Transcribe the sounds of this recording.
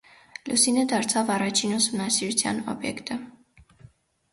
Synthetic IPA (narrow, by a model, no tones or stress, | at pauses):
lʔusinəd̪ɑɾt͡sʰɑvɑrɑt͡ʃʰinusumnɑsiɾut͡sʰjɑ̰nɔ̰bjɛ̰kt̪ə